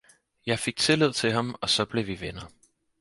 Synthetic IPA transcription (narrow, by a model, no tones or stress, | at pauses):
jɑ̈ɪfe̝ɡ̥̚t͡sʰe̝lið̞̰ˠt͡sʰe̝ɦɑ̈mɒ̽sɒ̽b̥le̝ʋiʋenɐ